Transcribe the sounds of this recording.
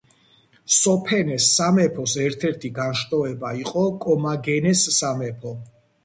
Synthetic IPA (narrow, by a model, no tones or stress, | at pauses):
sɔpʰɛnɛsːamɛpʰɔsɛɾt̪ʰɛɾt̪ʰiɡanʃt̪ʼɔɛbaiqʼɔkʼɔmaɡɛnɛsːamɛpʰɔ